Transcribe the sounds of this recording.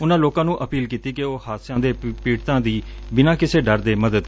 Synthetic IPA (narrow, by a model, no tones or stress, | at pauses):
ʊnãːloːkãːnũːʔəpiːlkiːt̪iːkeoːhaːsjãːd̪eːpiːʈt̪ãːd̪iː | bɪnãːkɪseːɖəɾd̪eːməd̪əd̪